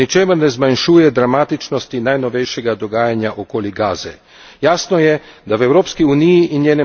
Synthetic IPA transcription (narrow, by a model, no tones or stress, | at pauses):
nit͡ʃeːmɛɾnɛzmanʃuːjɛd̪ɾamaːt̪it͡ʃnɔst̪inajnɔʋɛjʃɛɡad̪ɔɡaːjanjaʔokoːliɡaːzɛ | jaːsnɔjɛd̪awɛwɾoːpskiunijiʔinjeːnɛ